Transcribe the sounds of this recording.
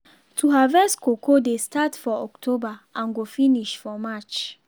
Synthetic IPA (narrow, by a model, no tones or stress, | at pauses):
tʰuɦavɛskokʰodestatfɔɔktʰobaʔãnɡofiniʃfɔmat͡ʃ